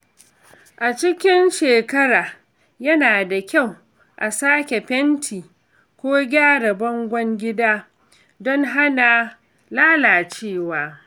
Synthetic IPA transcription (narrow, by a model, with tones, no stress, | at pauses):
ʔa˨t͡ʃɪ˦kʲɪ˦nʃeː˨kɐ˦ɽaː˨ | jɐ˦naː˨da˨kʲa˦˨w | ʔa˨saː˦kʲe˨ɸɛ˦ntʰiː˨ | kʷoː˦ɡʲaː˦ɽɐ˨bɐ˦ŋɡʷɔ˦ŋɡʲɪ˦daː˦ | dɔ˦ŋɦa˦na˨ | laː˦laː˨t͡ʃeː˦˨waː˦